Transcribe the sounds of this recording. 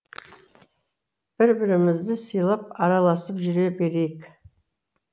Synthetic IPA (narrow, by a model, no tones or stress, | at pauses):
b̥ɪɾbɪɾɪmɪzd̪ɪsijlˠəp̚ɑɾɑlˠɑsəpʒʏɾe̞be̞ɾejk